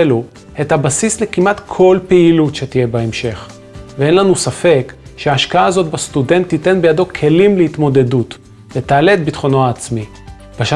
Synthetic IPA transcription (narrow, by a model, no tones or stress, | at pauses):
elu | ethabasislekimʔatkʰo̞lpeilutʃe̞tije̞baemʃe̞χ | vee̞nlanusafe̞kʃeaːʃkaaːzo̞tbast̪ude̞nt̪ːite̞nbejado̞kʰe̞limlehit̪mo̞de̞dut | vet̪aːle̞t̚bitχo̞noaːt͡smi | b̥aʃa